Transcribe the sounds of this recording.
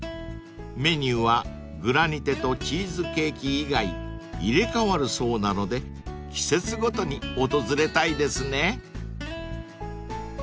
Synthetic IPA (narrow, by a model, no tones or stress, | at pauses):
me̞ɲ̟ʲɨːβa | ɡɯ̟ɾaɲ̟it̪e̞t̪o̞t͡ɕiːzɨke̞ːkʲiːɡaiiɾe̞kaβaɾɯ̟so̞ːnano̞d̪e̞ | kʲi̥se̞t͡sɨɡo̞t̪o̞ɲ̟io̞t̪o̞zɨɾe̞t̪aid̪e̞sɨne̞